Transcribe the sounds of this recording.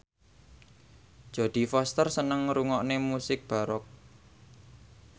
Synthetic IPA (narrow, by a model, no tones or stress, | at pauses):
ʒ̥a̤d̪̥i̤fɔst̪ərsənəŋɾuŋɔʔnemusɪk̚b̥a̤ɾɔk̚